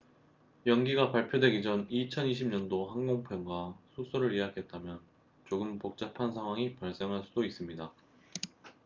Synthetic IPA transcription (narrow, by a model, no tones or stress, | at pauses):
jʌŋɡiɡapaɭpʰjodwe̞ɡid͡ʑʌnit͡ɕʰʌniɕʰibmɲʌndohaŋɡoŋpʰemɡwasʰus͈ʰoɾɯɾiɦakʰe̞t̚t͈amjʌn | t͡ɕoɡɯmpok̚t͡ɕ͈apʰansʰaŋɦwaŋipaɭs͈e̞ŋɦaɭs͈udois͈ɯmɲida